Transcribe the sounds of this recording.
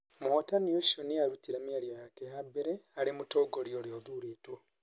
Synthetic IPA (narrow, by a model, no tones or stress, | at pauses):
motanjuʃoniaɾutiɾamiaɾjojakehabeɾealimutoɡoɾjoɾjoðuɾetwo